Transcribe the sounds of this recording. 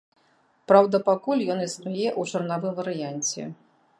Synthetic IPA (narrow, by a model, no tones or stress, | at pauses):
pɾawd̪ɐpakulʲjɔniznajɛʔut͡ʂarnavɨmvɐɾɨjanʲt͡sʲɛ̰